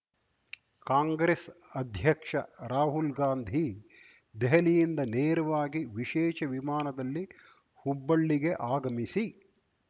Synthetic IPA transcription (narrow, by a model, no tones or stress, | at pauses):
kaːŋɡɾes | ɐd̪ʱjɐkʂɐɾaːɦulɡaːnd̪ʱi | d̪ɛɦɐlijind̪ɐneːɾuʋaːɡiʋiʃɛːʃɐʋimaːnɐd̪ɐlːi | hubːɐɭːiɡe̞ʔaːɡɐmisi